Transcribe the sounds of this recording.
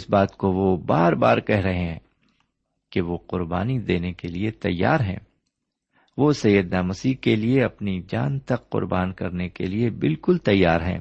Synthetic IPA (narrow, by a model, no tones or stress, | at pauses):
ɪsbaːt̪koʋobaːɾbaːɾkɛɦɾɐɦeɦɛ̃ː | keʋoqʊɾba̰ːnid̪eːnekeliet̪ɐ̰jːa̰ːɾɦɛ̰̃ː | ʋosɐjːəd̪naːmɐsiːkelieɐpnid͡ʒaːnt̪ɐqːʊ̰ɾbaːnkɐɾnekḛliebɪlkʊlt̪ɐjːaːɾɦɛ̰̃ː